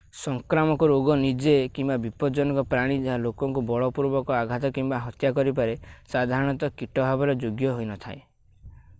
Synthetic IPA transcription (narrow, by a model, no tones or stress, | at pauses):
sɔŋkɾamɔkɔɾoɡɔnid͡ʒekimbabipɔd͡ʒɔnɔkɔpɾaɽ̃id͡ʒeɦalokɔŋkubɔɭɔpuɾbɔkɔaɡʱat̪ɔkimbaɦɔt̪jakɔɾip̬aɾesad̪ʱaɾɔɽ̃ɔt̪ɔkiʈɔbʱabɔɾɔd͡ʒoɡjɔɦojnɔt̪ʰa̰e